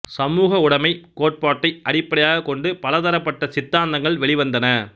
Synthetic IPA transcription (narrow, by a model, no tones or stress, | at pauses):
sɐmuːɣɐʊɽɐmɐɪkoːʈ̚paːʈːɐɪɐɽɪpːɐɽɐjaːɣɐkɔɳɖɯpɐlɐðɐɾɐpːɐʈːɐsɪt̪ːaːnd̪ɐŋɡɐɭʋɛɭɪʋɐnd̪ɐnɐ